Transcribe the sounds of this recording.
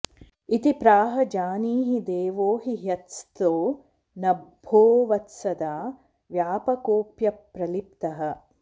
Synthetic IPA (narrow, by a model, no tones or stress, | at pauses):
it̪ipɾaːɦɐd͡ʒaːniːɦid̪eːʋoːɦiɦjɐt̪st̪oː | nɐbʱoːʋɐt̪sɐd̪aː | ʋjaːpɐkoːpjɐpɾɐlipt̪ɐɦɐ̆